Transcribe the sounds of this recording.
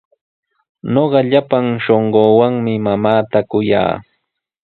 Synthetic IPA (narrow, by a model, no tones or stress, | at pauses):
noɢɑʎapaŋʃoɴɢoːwaŋmɪmamaːt̪akʊja̰ː